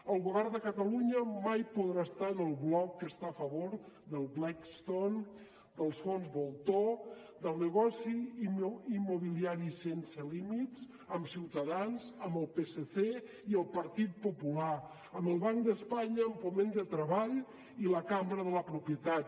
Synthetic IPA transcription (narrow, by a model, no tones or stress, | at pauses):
əlˠɣuβɛɾðəkət̪əluɲəmajpuðɾaəst̪aənəlˠβlɔkːəst̪aəfəβoɾd̪əlˠβlakst̪on | d̪əlˠsfonzβolˠt̪od̪əlˠnəɣɔsi | imːuβiliaɾisensəlimit̪s | əmsiwt̪əðanzəmbəlˠpeseθe | iəlˠpəɾt̪it̪̚pupula | əməlˠβaŋk̚d̪əspaɲəːmfumend̪ət̪ɾəβaʎ | iləkambɾəðələpɾupjət̪at̪